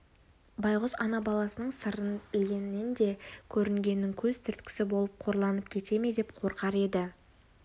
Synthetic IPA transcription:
bɑjʁʊzɑnɑbɑlˠɑsənəɴsəɾənɡʲe̞nɪnd̪e̞kʲʰɵɾɪŋɡʲe̞nːɪŋkʲʰɵz̥t̪ʰʏɾt̪kʲɪ̥sɪbo̞lˠəp̚qʰo̞ɾlˠɑnəp̚kʲʰe̞t̪e̞me̞d̪epqʰo̞ɾqɑɾe̞d̪ɪ

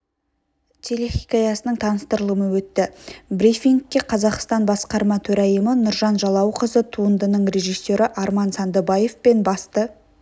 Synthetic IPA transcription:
t̪ʲʰeleχikʲɑjɑsənəɴt̪ʰɑnəst̪əɾəlˠəməwɵt̪ːɪbrifʲiŋkʲːe̞qʰɑzɑqst̪ɑnbɑsqɑɾmɑt̪ʰɵɾɑjəmənʊɾʒɑnʒɑlˠɑwqəzət̪ʰuənd̪ənəɴre̞ʒijsːe̞ɾɪʔɑɾmɑnsɑnd̪əbɑje̞fpe̞nbɑst̪ə

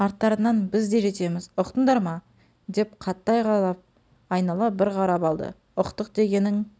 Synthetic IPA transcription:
ɑɾt̪ːɑɾənɑnbɪzd̪e̞ʒe̞t̪e̞mɪzʊqt̪ənd̪ɑɾmɑ | d̪e̞pqʰɑt̪ːɑjʁɑlˠɑp̚ | ɑjnɑlˠɑbɪɾʁʰɑɾɑpɑlˠd̪ə̰ | ʊqt̪əqd̪e̞ɡʲe̞nɪŋ

